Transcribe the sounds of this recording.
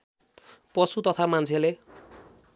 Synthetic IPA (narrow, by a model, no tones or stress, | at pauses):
pʌsut̪ʌt̪ʰamant͡sʰele